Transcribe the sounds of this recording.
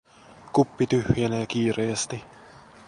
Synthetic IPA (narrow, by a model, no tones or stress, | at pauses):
kupːit̪yhjenæk̟iːɾeːst̪i